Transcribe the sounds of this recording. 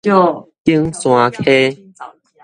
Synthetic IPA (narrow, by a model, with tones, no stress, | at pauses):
o˦˨ki˦əŋsw̃ã˧kʰe˦